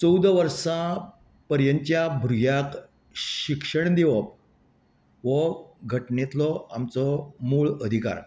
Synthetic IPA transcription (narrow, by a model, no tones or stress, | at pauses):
t͡səwd̪ʋəɾʂa | pəɾjəɲt͡ɕjabʱɾujak | ɕikʂəɳd̪eʋəp̚ | ʋəɡʱəʈnet̪lɔa̰mt͡sɔmuːɭəd̪ʱika̰ɾ